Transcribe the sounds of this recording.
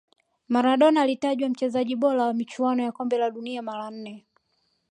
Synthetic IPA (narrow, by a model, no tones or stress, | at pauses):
maɾaɗɔnaːlitaʄwam̩t͡ʃɛzaʄiɓɔlawamit͡ʃuanɔjakɔmbɛlaɗuniamaɾan̩nɛ